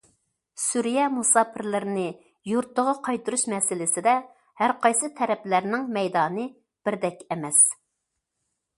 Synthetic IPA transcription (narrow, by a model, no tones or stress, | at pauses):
suɾijɛmusɑːpʰɪɾlɪɾɪnɪ | juɾt̪ːəʁɑqʰɑjt̪ɨɾuʃmɛsɪlɪsɪd̪ɛ | hæɾqʰɑjsɨt̪ʰɛɾɛplæɾnɪŋmɛjd̪ɑːnɨ | b̥ɪɾd̪ɛkʲɛmɛs